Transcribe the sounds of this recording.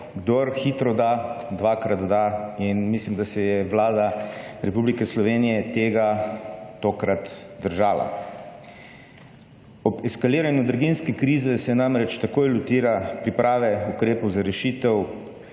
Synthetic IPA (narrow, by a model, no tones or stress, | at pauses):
ɡd̪oɾxiːt̪ɾɔd̪ad̪ʋakɾat̪d̪ainmislimd̪asɛjɛʋlaːd̪aɾɛpublikɛslɔʋeːnijɛt̪eːɡat̪okɾat̪d̪əɾʒaːla̰ | ɔbɛskaliːɾanjud̪ɾɡinskɛkɾiːzɛsɛnamɾɛt͡ʃt̪akoːjlut̪iːɾapɾipɾʔaːʋɛukɾeːpɔwzaɾɛʃit̪ɛw